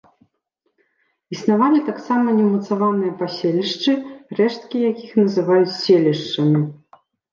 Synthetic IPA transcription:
isnavalʲit̪aksamɐnʲɛmɐt̪savanɨjɐpasʲelʲiʂt͡ʂɨrɛʂt̪̚kʲijakʲixnɐzɨvajut͡sʲsʲelʲiʂt͡ʂɐmʲi

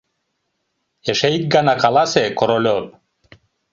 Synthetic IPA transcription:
eʃejk̚ɡanakalˠasekoɾolʲop̚

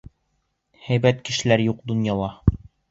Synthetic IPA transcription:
hæjbæt̪kɘ̆ʃɘ̆læɾjuqd̪ŏnjɑlˠɑ

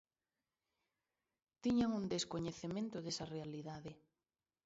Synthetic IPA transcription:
t̪iɲaŋund̪eskoɲeθemẽnt̪ʊðesɐrealiðaðe

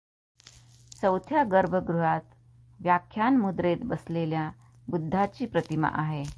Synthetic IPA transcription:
səwt̪ʰjaɡəɾbʱəɡɾuɦat̪ | ʋjakʰːjanmud̪ɾet̪bəslelja | bud̪ʱːat͡ɕiːpɾət̪ima̰ʔaɦe

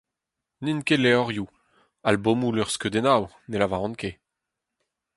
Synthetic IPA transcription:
ninkeleɔʁju | albomulœʁskød̪enaw | nelavaʁɔ̃nke

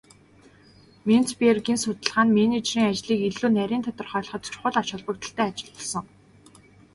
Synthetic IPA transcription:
men̥t͡spierɡiːnsʊt̪ə̆ɮʁaːnmenet͡ɕriːŋat͡ɕɮiːkeɮuːnæɾʲiːnt̪ʰɔt̪ɞ̆rχɔːɮ̆χɞ̆t̪t͡ɕʊ̥̆χʊ̆ɮḁʃʊɮpə̆k̚t̪ə̆ɬt̪æːat͡ɕɪ̆ɮə̆ɮsɞ̆ŋ

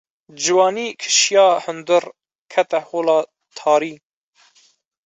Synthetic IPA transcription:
d͡ʒɨwɑːniːkʰɨ̥ʃjɑːhɨnd̪ɨɾ | kʰɛt̪ɛhoːlɑː | t̪ʰɑːɾiː

